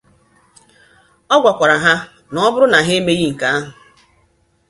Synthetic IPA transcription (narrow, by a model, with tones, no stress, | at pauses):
ɔ˦ɡʷa˨kʷa˨ɾa˨ɦa˦ | nɔ˨˦ɔ˦bʊ˦ɾʊ˦na˨ɦe˦me˦ɣi˦ŋ̩˨ka˦a˦ɦʊ˨